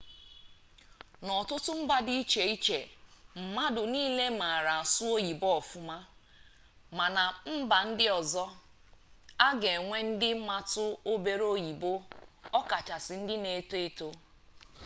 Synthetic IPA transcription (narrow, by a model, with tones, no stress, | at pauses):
nɔ˨tʊ˦tʊ˦m̩˦ba˦di˦i˦t͡ʃe˨i˦t͡ʃe˨m̩˨ma˦dʊ˨niː˦le˦ma˨ɾa˨a˨sʊ˦o˦ji˨bɔ˦ɔ˨fʊ˦ma˦ | ma˨na˨m̩˦ba˨n̩˦dɪ˦ɔ˨zɔ˦ | a˦ɡe˨ŋʷe˦n̩˦dɪ˦ma˦tʊ˦o˦be˨ɾo˦ji˨bo˦ɔ˦ka˨t͡ʃa˨sɪ˨n̩˦dɪ˦ne˨to˦e˦to˦